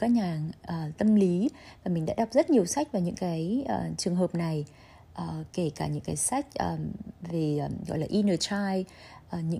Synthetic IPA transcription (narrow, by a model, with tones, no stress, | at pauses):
kaː˦˥k̚ɲaː˨˩ŋʔəː˨˩t̪ə˧mli˨˦vaː˨˩mï˨˩ŋ̟ɗa̰ː˧˥ɗa˨˩wk͡p̚zə˦˥t̚ɲi˨˩əwsa˦˥k̟̚vaː˨˩wɲɨ̰˧˥ŋkaː˨˦jʔːt͡ɕɨ˨˩əŋɦəː˨˩p̚na˨˩j | ʔəː˨˩ke˧˩kaː˧˩ɲɨ̰˧˥ŋkaː˨˦jsa˦˥jk̟̚ʔəː˨˩ve˨˩˨ɣɔ̰˧˨laː˨˩ʔi˧nəː˨˩t͡ɕaː˧j | ʔəː˨˩ɲɨ̰˧˥